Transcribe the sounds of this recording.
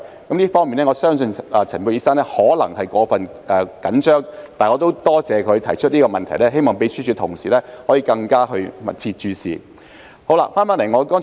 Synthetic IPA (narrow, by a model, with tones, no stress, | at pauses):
kɐ˨˥mnli˥fɔː˥ŋmiː˨nɛː˥ŋɔː˨˧sœː˥ŋsɵ˧nʔɐ˨t͡sʰɐ˨˩npu˧˩iː˨˧sa˥nlɛː˥hɔː˨˥lɐ˨˩ŋhɐ˨jkɔː˨˥fɐ˨n | ʔɛː˨kɐ˨˥nt͡ʃœː˥ŋt̪aː˨nŋɔː˨˧t̪o˥wt̪ɔː˥t͡sɛː˨˧kʰɵ˨˧t̪ʰɐ˨˩jt͡ʃʰɵ˥t̚liː˥kɔː˧mɐ˨nt̪ʰɐ˨˩jlɛː˥ɦe˥jmɔː˨ŋpe˨˥jsyː˥t͡ʃʰyː˨˧t̪ʰʊ˨˩ŋsiː˨lɛː˥hɔː˨˥jiː˧kɐ˧ŋkaː˥ɦɵ˧ɥmɐ̰˨t̚t͡sʰiː˧t̚t͡ʃyː˨˧sḭː˨˩ | ho˨˥wla̰˧faː˥npaː˨˥nlɐ˨˩jŋɔː˧kɔː˥